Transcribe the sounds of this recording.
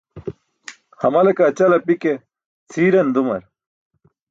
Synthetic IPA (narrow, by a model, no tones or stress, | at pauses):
hɐmɐlekaːt͡ɕɐlɐpike | t͡sʰiːɾɐnd̪umɐ̰ɾ